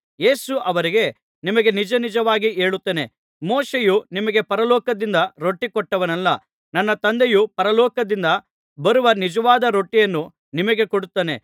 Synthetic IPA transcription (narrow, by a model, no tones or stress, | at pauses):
je̞ːsuʔɐʋɐɾiɡe̞ | nimɐɡe̞nid͡ʒɐnid͡ʒɐʋaːɡieːɭut̪ːeːne̞ | moːʃejunimɐɡe̞pɐɾɐlɔːkɐd̪ind̪ɐɾo̞ʈːikɔʈːɐʋɐnɐlːɐ | nɐnːɐt̪ɐnd̪ejupɐɾɐlɔːkɐd̪ind̪ɐ | bɐɾuʋɐnid͡ʒɐʋaːd̪ɐɾo̞ʈːijɐnːu | nimɐɡe̞koɽut̪ːaːne̞